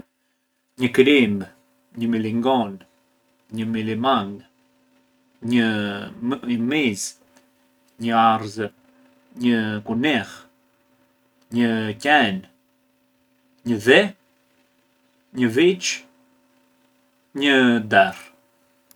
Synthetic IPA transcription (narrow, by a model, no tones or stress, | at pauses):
ɲəkɾim | ɲəmiliŋɡɔn | ɲəmilimaŋ | ɲə | əmiz | ɲəaɾzə | ɲəkunɛʁ | ɲəcɛn | ɲəðɛ | ɲəvit͡ʃ | ɲəd̪ɛɾ